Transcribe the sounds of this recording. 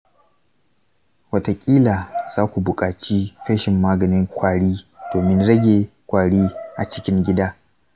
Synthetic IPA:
wɐ˦ta˨kʲʼiː˦laː˨z̥aː˦kʷu˨bʊ˨kʼaː˨t͡ʃi˦ɸɛ˦ʃɪ˨mːaː˦ɡɐ˨nɪ˦ŋkʷaː˨ɽiː˦d̥oː˨mɪ˦nɽɐ˦ɡʲeː˨kʷaː˨ɽiː˦ʔa˨t͡ʃɪ˦kʲɪ˦ŋɡʲɪ˦daː˦

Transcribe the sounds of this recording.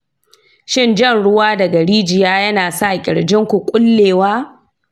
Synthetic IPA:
ʃɪ˦nd͡ʒɐ˦˨nɽʊ˦waː˦dɐ˨ɡɐ˨ɽiː˦d͡ʒɪ˨jaː˦jɐ˦naː˨sa˦ʔkʲʼɪ̰˨ɽd͡ʒɪ˦ŋkʷu˨kʷʼʊ˦lːeː˨waː˦

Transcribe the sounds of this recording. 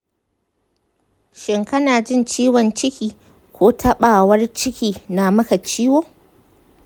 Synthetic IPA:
ʃɪ˨ŋkɐ˦naː˨d͡ʒɪ˦nt͡ʃiː˦wɔ˨nt͡ʃɪ˦kʲiː˨ | kʷoː˦tʰɐ˦ɓaː˨wɐ˦rt͡ʃɪ˦kʲiː˨na˨mɐ˦ka˨t͡ʃiː˦woː˦

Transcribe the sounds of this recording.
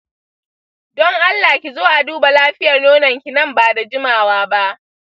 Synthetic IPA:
dɔ˦ŋʔa˦lːaː˨kʲi˨zoː˦ʔa˨duː˦ba˨laː˦ɸɪ˦jɐ˨rnoː˦nɐ˨ŋkʲi˨nɐ˦mbaː˨da˨d͡ʒɪ˦maː˨waː˦ba˦ʔ

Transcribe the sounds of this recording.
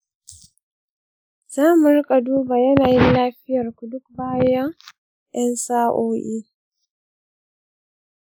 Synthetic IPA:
z̥aː˦mʊ˨ɾkʼa˨duː˦baː˨jɐ˦naː˨ji˦nlaː˦ɸɪ˦jɐ˨rku˨dʊ˦kbaː˦ja˦ŋ | ʔɛ˦nsaː˦ʔoː˦ʔi˦

